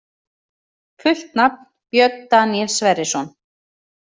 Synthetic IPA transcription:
fʏl̥t̪nap̚n | pjœt̪̚d̪aniɛlsvɛɾɪsɔn

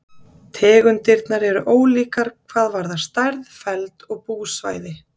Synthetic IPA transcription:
t̪ʰɛːɣʏnt̪ɪɾt̪naɾɛɾʏʔoːwliːkaɾ̥kʰvaːðvaɾðḁst̪ajɾðfɛlt̪ɔɣpuːsva̰ːjðɪ

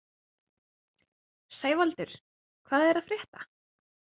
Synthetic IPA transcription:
seːjvalt̪ʏɾ̥ | kʰvaːðɛɾaðfɾjɛːht̪a

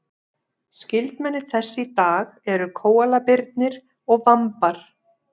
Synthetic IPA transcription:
scɪlt̪mɛnːɪ̥θɛsːɪt̪aːɣɛɾʏkʰoːwalapɪɾt̪nɪɾ̥ | ɔɣvampaɾ̥

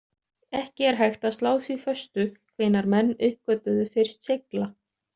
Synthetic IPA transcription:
ɛhcɪɛɾ̥ɦajxt̪aðst̪laːwθvifœst̪ʏkʰveːjnaɾmɛnːʏhp̚kœt̪ʏðʏfɪɾ̥st̪sɪkla

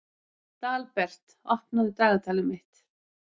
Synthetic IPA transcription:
t̪aːlpɛr̥t̪ | ɔht̪naðʏt̪œːɣat̪ʰaːlɪmɪht̪

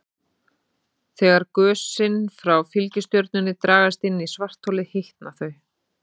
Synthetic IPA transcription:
θɛːɣaɾ̥kœːsɪnfɾawfilcɪst̪jœɾt̪̚nʏnːɪt̪ɾaːɣast̪ɪnːisvar̥t̪ʰːowlɪheht̪naθœɥ

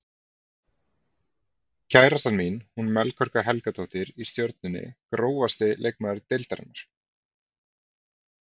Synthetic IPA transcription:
cʰaːjɾast̪anminhunmɛlkʰœɾ̥kaɦɛlkat̪ʰowht̪ɪɾist̪jœɾt̪nɪnːɪ̰kɾoːwvast̪ɪlʔejk̚mɛðaɾɪt̪elt̪aɾɪ̰nːaɾ̥

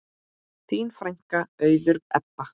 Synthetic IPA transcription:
θʰiːnfɾajŋ̥kaœːɥðʏɾɛ̰pːa

